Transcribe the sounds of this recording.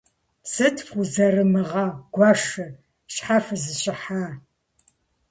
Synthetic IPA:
sɨtʰfuzɐrɨmɨʁɑɡ̥ʷɑʂɨ | ɕħafɨzɨɕɪħaː

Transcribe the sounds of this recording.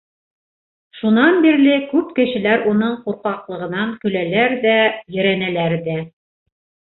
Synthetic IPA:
ʃunɑnbiɾlɘkʉpkɘ̆ʃɘ̆læɾunɤɴquɾqɑqlˠɤ̆ʁɤ̆nɑŋkɵ̆lælæɾðæjɘ̆ɾænælæɾðæ

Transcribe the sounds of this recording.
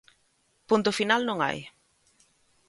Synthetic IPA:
punt̪ʊfinalnõŋa̰j

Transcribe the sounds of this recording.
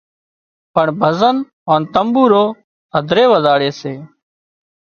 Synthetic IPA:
pəɳbʱəzən | oːnt̪əmbuːɾoː | əd̪ʱɾeːʋəzaːɽeːseː

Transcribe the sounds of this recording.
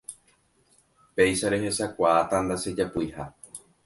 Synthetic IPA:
pe̞jʃaɾe̞ɦe̞sakʷaːt̪and̪ased͡ʒapuiha

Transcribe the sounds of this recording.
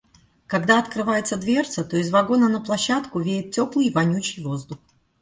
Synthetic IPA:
kɐɡd̪aɐt̪kɾɨvajɪt̪səd̪vʲert̪sət̪o̞ɪzvɐɡo̞nənəplˠɐɕːat̪kʊvʲejɪt̪̚tʲo̞plˠɨjvɐnʲut͡ɕɪjvo̞zd̪ʊx

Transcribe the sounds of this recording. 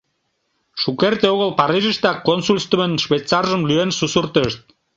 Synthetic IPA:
ʃukert̪eoɣəlpɑɾiʒəʃt̪ɑkonsulʲst̪əmənʃβejt̪t͡sɑrʒəmlyensusurt̪əʃt̪̚

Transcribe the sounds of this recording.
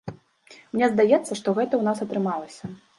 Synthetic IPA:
mnʲɛzd̪ajɛt̪sːɐʂt̪ɔɣɛt̪ɐwnasɐt̪ɾɨmalˠɐsʲɐ

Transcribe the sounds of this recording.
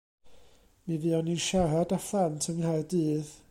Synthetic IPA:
miviːɔninʃaradafantʰənhajdɨːð

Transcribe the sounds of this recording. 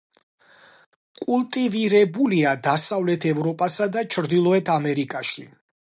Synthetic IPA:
kʼulˠt̪ʼiviɾɛbuliad̪asavlɛt̪ʰɛvɾɔpʼasad̪at͡ʃʰɾd̪ilˠɔɛt̪ʰamɛɾikʼaʃi

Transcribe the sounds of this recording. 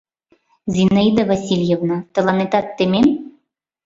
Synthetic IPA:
zʲinaid̪avasʲilʲjevnat̪ɤ̆lˠɑnet̪ɑt̪ːemʲem

